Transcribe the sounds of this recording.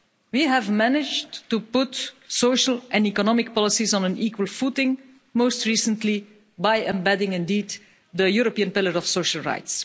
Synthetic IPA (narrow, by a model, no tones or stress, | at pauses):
wiɦævmænɪd͡ʒttupʊtsoʊʃəlʔɛ̃nikɔnɔmɪk̚pɔlˠɪsizɔ̃nə̃niːkwəlˠfutɪ̃ŋ | moʊstɹiːsə̃ntli | baɪɛ̃mbɛdɪ̃ŋɪ̃ndiːd | dəjuɹopiə̃npɪləɹɔfsoʊʃəl̩ˠɹa̰ɪts